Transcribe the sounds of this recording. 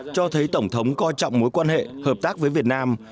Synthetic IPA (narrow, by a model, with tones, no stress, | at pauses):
t͡ɕɔ˧t̪ʰə˨˦jt̪ə˧˩wŋ͡mt̪ʰə˨˦wŋ͡mkɔ˧t͡ɕɔ̰˧˨wŋ͡mmo˨˦jkwaː˧nhḛ˧˨həː˨˩p̚t̪aː˦˥k̚vəː˨˦jvi˨˩ət̚naː˧m